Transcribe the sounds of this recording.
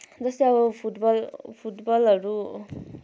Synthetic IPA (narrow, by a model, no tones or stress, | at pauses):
d͡zʌst̪eʌbʌpʰuʈbʌlpʰuʈbʌlɦʌɾu